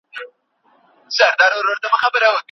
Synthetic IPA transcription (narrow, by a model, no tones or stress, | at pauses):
zaɾd̪ɑɾoɾoɾd̪əmaxabəɾawək